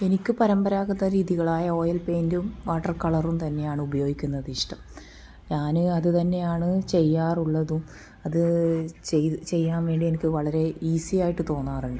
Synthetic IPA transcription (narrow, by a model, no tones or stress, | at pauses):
e̞nikʲːɨpɐɾɐmbɐɾaːɣut̪ːɐɾiːðiɣɐɭaːjɐo̞ːjɐlpeːndumʋaːʈːɐrkɐɭɐrumt̪ɐnːe̞jaːɳɨubɐjo̞ːɡikʲːunːɐðiʂʈɐm | ɲaːnɨɐðɨt̪ɐnːe̞jaːɳɨt͡ɕe̞jːaːruɭːɐðum | ɐðɨt͡ɕejt͡ɕe̞jːaːnʋe̞ːɳɖie̞nikʲːɨʋɐɭɐɾe̞iːsijaːjiʈːɨt̪o̞ːnːaːruɳɖɨ